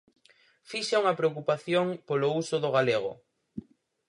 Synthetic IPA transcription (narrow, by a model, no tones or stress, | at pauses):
fiʃauŋɐpɾeokupaθjoŋpolousʊðoɣaleɣ̞ʊ̰